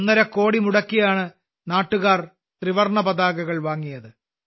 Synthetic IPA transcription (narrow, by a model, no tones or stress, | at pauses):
nːɐɾɐkːo̞ːɽimuɽɐkːijaːɳɨ | naːʈːuɣaːr | t̪riʋɐrɳɐbɐðaːɣɐɣɐɭʋaːŋːijɐðɨ